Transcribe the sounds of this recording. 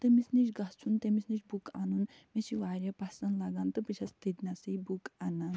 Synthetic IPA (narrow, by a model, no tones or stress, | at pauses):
t̪ɨmisnit͡ʃɡɐst͡ʃʰunt̪ɐmisnit͡ʃʲbuka̰nun | mesiʋaːɾʲɐpɐsɐnlɐɡant̪ɨpɨt͡ʃʰɐst̪id̪nasɨjbukanan